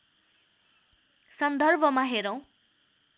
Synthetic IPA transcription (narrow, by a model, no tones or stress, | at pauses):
sʌnd̪ʌrbʱʌmaɦeɾʌ̃w̃